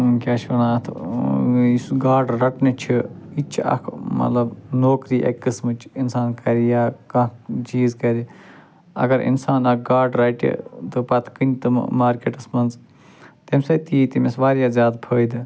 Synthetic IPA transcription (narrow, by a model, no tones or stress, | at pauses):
kʲaːʃʰɐnaːt̪ʰ | sɡaːɖɾɐʈnɐt͡ʃʰiit͡ʃʰɐ̰kʰmɐ̰t̪lɐbnoːkɾiːʔḛkːɨsmɨt͡ʃʰinsaːnkɐɾijaːkɐ̃kt͡ʃiːzkɐɾi | ɐ̰ɡɐɾḭnsaːnɐk̚ɡaːɖɾɐʈʲḭt̪ɨpɐt̪ʰkɨnʲt̪ɨmmaːɾkeʈɐsmɐnz | t̪emʲsɐt̪iːt̪imʲesʋaːɾjaːzʲjaːd̪pʰəːid̪ɨ